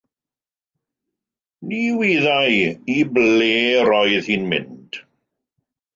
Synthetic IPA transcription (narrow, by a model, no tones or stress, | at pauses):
niːwiːðajibleːɾɔjðhinmɪ̰nd̥